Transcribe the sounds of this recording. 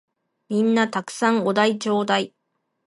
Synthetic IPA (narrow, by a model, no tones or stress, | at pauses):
mʲĩnːat̪akɯ̟̥sãŋod̪ait͡ɕo̞ːd̪ai